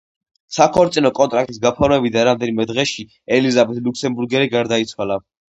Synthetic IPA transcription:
sakʰɔɾt̪sʼinɔkʼɔnt̪ʼɾak̚t̪ʼisɡapʰɔɾmɛbid̪aɾamd̪ɛnimɛd̪ʁɛʃi | ɛlizabɛt̪ʰluksɛmbuɾɡɛɾiɡaɾd̪ait̪sʰwala

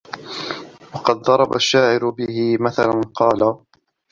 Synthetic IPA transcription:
wɑqɑd̪̚ðˤɑɾˤɑba̰ʃːaːʕɪɾʊbɪhɪmaθalanqɑːla

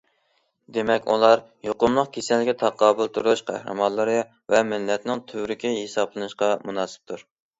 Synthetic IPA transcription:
d̪emɛkʲṵlˠɑɾ | joqʊmlˠəqkʲʰesɛlːɪkʲɛt̪ʰɑqʰːɑːbɨlˠt̪ʰuɾʃqʰæ̰hɾɨ̰mɑlˠːəɾɨ | vɛmɪlːɛt̪nɪŋt̪ʰøwɾɪkʲʰiɦesɑblˠɨnɨʃqɑmunɑːsɪ̥p̚t̪ʰuɾ

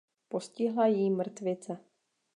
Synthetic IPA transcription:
poscɪɦlajimr̩t̪vɪt͡sɛ

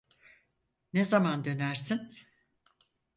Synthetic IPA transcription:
nezamand̪ø̞næɾsin

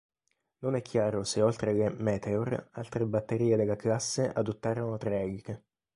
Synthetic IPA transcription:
nonɛkʰːjaːɾoseolt̪ɾelemɛːt̪ʰeoralt̪ɾebat̪ːeɾiːed̪elːaklasːeʔad̪ot̪ːaːɾonot̪ɾɛɡke

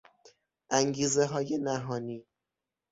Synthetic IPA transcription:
ʔæŋɡiːzeɦɒːje̞næɦɒːniː

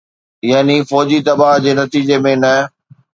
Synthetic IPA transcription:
jaːnifɔːd͡ʑit̪ɐbaːɦd͡ʑeːnɐt̪iːd͡ʑemẽnɐ

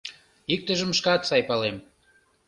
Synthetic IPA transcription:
ik̚t̪əʒəmʃkɑt̪sɑjpɑlem

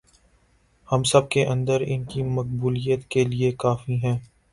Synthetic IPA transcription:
hɐmsɐb̚keʔɐ̃nd̪əɾɪ̰nkimɐq̚buːlijət̪keliekaːfiɦɛ̃ː

